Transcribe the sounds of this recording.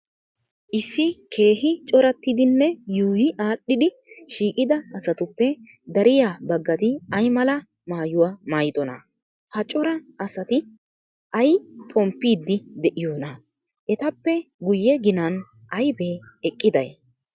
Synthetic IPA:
ʔɪsːɪkʰe̞ːɦɪt͡ʃʼɔɾɐt̪ːɪd̪ɪnːɛjuːjɪʔaːɗːɪd̪ɪ | ʃiːkʼɪd̪ɐːsɐt̪ʊpːɛ | d̪ɐɾɪjaːbɐɡːɐt̪ɪɐjmɐlɐ | maːjʊwaːmaːjɪd̪ɔnɐ̰ | hɐt͡ʃʼɔɾɐɐsɐt̪ɪ | ʔɐjpʼɔmpːiːd̪ːɪd̪ɛʔɪjoːnɐ | ʔɛt̪ɐpːɛɡʊjːɛɡɪnɐn | ʔɐjbeː | ɛkʼːɪd̪ɐj

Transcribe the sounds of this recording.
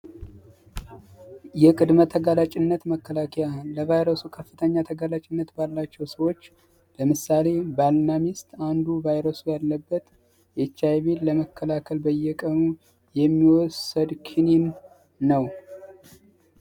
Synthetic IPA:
jɛkʼɨd̪mət̪ʰəɡalat͡ʃʼɪnːət̪məkʰːəlakʰɛjaləvajɾəsukʰəfːɨt̪ʰəɲːat̪ʰəɡalat͡ʃʼɪnːət̪balːat͡ʃːɛwsəwo̞t͡ʃː | ləmɨsːale̞balnamist̪and̪uvajɾəsujalːəbːət̪ | ʔɛt͡ʃːajβeləməkʰːəlakʰəlbəjɛkʼənu | jɛmːiwɔsːəd̪kʰininː | əw

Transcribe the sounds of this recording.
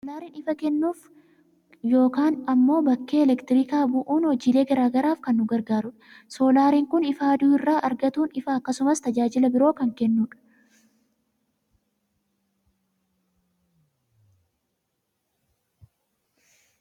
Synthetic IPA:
solaːɾiːnɪfɐkɛnːuːf | jo̞ːkaːnɐmːo̞ːbɐkːe̞ːɛlɛkt̪ɪɾɪkaːbʊʔuːnhɔd͡ʒiːle̞ːɡɐɾaːɡɐɾaːfkɐnːʊɡɐɾɡaːɾʊᶑɐ̥ | so̞ːlaːɾiːŋkʊnɪfaːd̪uːɪrːaːʔɐɾɡɐt̪uːnɪfɐːkːɐsʊmɐst̪ɐd͡ʒaːd͡ʒɪlɐbɪɾo̞ːkɐŋkɛnːuːᶑɐ̥

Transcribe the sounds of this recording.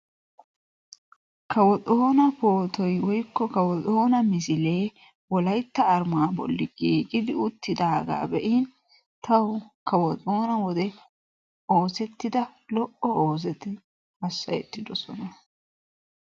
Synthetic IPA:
kʰɐwɔtʼoːnɐpoːt̪ɔjwɔjkːɔkɐwɔt̪ʼo̞ːnɐmɪsɪle̞ː | wɔlɐjt̪ːɐːɾmaːbɔ̰lːɪɡiːkʼɪd̪ɪʊt̪ːɪd̪aːɡa̰ːbɛʔin | t̪ɐwʊkɐwɔt̪ʼo̞ːnɐwɔd̪ɛ | o̞ːsɛt̪ːɪd̪ɐlɔʔɔo̞ːs̬ɛt̪ɪ | ɐsːɐjɛt̪ːɪd̪ɔsɔnɐ

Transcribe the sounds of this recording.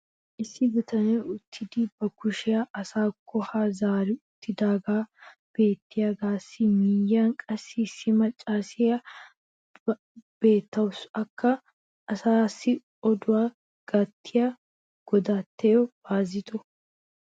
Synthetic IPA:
ʔɪsːɪbʊt̪ɐnɛʊt̪ʰːɪd̪iːbɐkʊʃɪjɐʔɐsaːkʰːɔhaːzaːɾɪʊt̪ːɪd̪aːɡaːb̥e̞ːt̪ːɪjaɡaːsːɪmiːjːaːŋkʼɐsːɪsːɪmɐt͡ʃʼːaːsɪjɐ | b̥e̞ːt̪ːɐwʊsɐkːɐ | ʔɐsaːsːɪ | ɔd̪ʊwaː | ɡ̥ɐt̪ʰːɪja | ɡ̥ɔd̪aːt̪ːeːjɔb̥aːzɪt̪ɔ

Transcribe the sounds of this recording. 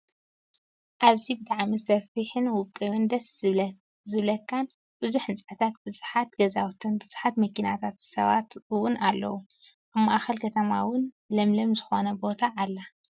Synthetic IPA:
ʔaβzibɨt̪ʼaʕmisɐfiħɨnwʊkʼɨβɨnd̪ɐs | zɨβlɐkʰːan | b̥ɨzuħɨnt͡sʼat̪ʰat̪̚b̥ɨzuħat̪ɡɐzawt̪ʰunbɨz̥u̥ħat̪mɐkʰina̰t̪ʰat̪sɐ̰βa̰t̪wʊnʔalːɐ̰wu | ʔaβmaʔaxɐlkʰɐt̪ʰɐma̰wʊn | lɐmlɐmzɨxo̞nɐbo̞t̪ʰaʔːlːa

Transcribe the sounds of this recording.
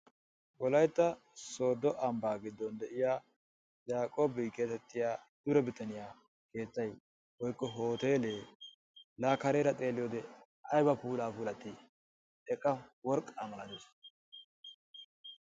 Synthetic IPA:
ɡɔlɐjt̪ːɐ | so̞ːd̪ːɔʔɐmbaːɡɪd̪ːɔnd̪ɛʔɪjaː | jaːkʼo̞ːbɪke̞ːt̪ɛt̪ːɪjaːd̪̥ʊɾɛbɪt̪ɐnɪjaː | ke̞ːt̪ːɐj | wɔjkːɔɦo̞ːt̪e̞ːleː | laːkɐɾeːɾɐt̪ʼe̞ːlːɪjoːd̪ɛ | ʔɐjbɐpuːlaːpuːlɐt̪ːɪ | ɛkʼːɐwɔɾkʼːaːmɐlɐnɪs

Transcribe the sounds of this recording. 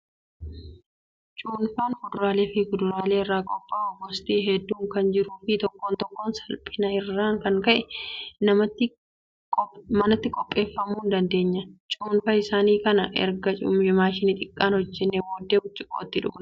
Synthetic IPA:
t͡ʃʼuːnfaːnkʊd̪ʊɾaːleːfɪkʊd̪ʊɾaːle̞ːɪrːaːkʼɔpʼːaːɔɡɔst̪iːɦɛd̪ːuːŋkɐnd͡ʒɪɾuːfɪt̪ɔkːoːnt̪ɔkːoːnsɐlpʼːɪnɐɪrːaːŋkɐŋkɐʔɛnɐmɐt̪ːɪ | mɐnɐt̪ːɪkʼɔpʼːe̞ːfːɐmuːnd̪ɐnd̪e̞ːɲːɐt͡ʃʼuːnfɐɪsaːniːkɐnɐʔɛ̰ɾɡɐt͡ʃʼʊ̰mɪmaːʃɪnɪt̪ʼɪkʼːaːnhɔd͡ʒːɛnːewoːd̪ːeːbʊt͡ʃʼːɪkʼo̰ːt̪ːɪᶑʊ̰knɐ

